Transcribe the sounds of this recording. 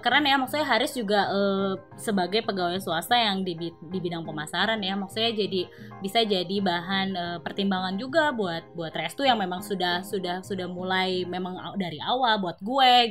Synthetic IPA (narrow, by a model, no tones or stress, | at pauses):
kaɾanjamak̚suaɦaɾʊsd͡ʒuɡaʔəː | səbaɡajpəɡawasuasajaŋdibidibidaŋpəmasaɾanjamak̚suad͡ʒadibisad͡ʒadibaɦanəːpərt̪imbaŋand͡ʒuɡabuat̪̚buat̪rɛst̪ujaŋmemaŋsudahsudahsudahmulajmemaŋadaɾiawalbuat̪̚ɡue